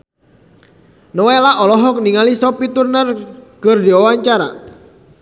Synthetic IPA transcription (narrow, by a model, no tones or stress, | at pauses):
nɔwelaʔɔlɔɦɔk̚niŋalisɔpit̪urnərkɨrdiawaɲt͡ʃaɾa̰